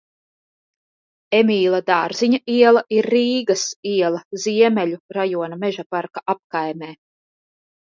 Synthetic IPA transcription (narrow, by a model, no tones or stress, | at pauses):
emiːlˠad̪aːɾziɲaiɛlˠaʔiɾːiːɡasiɛlˠɐziɛmɛlʲuɾajuɔnamɛʒapaɾkaʔap̚kajmeː